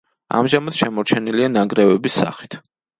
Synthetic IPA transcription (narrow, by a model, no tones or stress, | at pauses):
a̰mʒamat̪ʃɛmɔɾt͡ʃʰɛnilianaɡɾɛvɛbisːa̰χi̥t̪ʰ